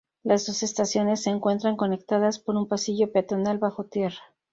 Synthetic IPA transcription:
lazðo̞se̞st̪asjo̞ne̞sːeːŋkwe̞nt̪ɾaŋko̞ne̞kt̪að̞aspo̞ɾumpasiʝo̞peat̪onalβaxo̞t̪je̞ra

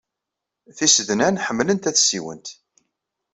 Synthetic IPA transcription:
θisəðnænħəmːlənt̪æθsiwə̰nt̪

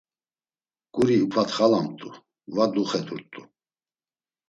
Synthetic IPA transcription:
kʼuɾiupʰʼat̪χalamt̪ʼu | vad̪uχɛd̪uɾt̪ʼu

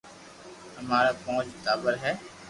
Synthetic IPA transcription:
əmaːɾaːpõːt͡ʃt̪aːbəɾɦɛː

